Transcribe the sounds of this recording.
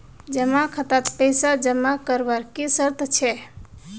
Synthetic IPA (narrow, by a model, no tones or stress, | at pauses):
d͡ʒəmakʰət̪at̪pəjsad͡ʒəmakəɾbəɾkisəɾt̪t͡ʃʰɛ